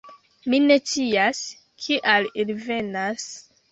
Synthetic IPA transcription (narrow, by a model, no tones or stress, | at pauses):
mine̞t͡sias | kʰiʔalilve̞nas